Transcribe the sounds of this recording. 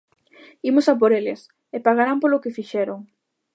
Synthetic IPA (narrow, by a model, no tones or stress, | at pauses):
imʊsap̬oɾelɪs | epaɣaɾampolʊkɪfiʃɛɾoŋ